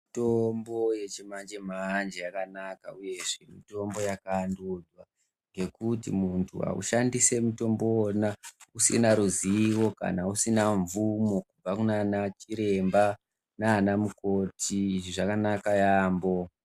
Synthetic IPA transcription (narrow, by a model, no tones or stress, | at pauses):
tombo̞je̞t͡ʃemand͡ʒemand͡ʒejakanakauje̞ʐe̞mito̞mbo̞jakaːndud͡zwa | ŋɡe̞kutimuntʰuɦa̰ṵʃandise̞muto̞mboːnausḭnaɾuziwo̞ka̰nausinaɱvumo̞kub͡vakunanat͡ʃiɾe̞mba | naːnamuko̞tʰiːʐiʐakanakajaːmbo̞